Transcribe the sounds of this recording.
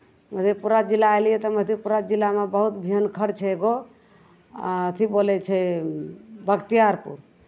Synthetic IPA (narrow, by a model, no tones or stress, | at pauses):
məd̪ʱipuɾad͡ʒilːajlijɛt̪ɔməd̪ʱipuɾad͡ʒilːamebəɦut̪bʱiənkʰəɾt͡ʃʰɛeɡo | a̰ət̪ʰibolɛt͡ʃʰɛ | bəkt̪ijaɾpṵɾ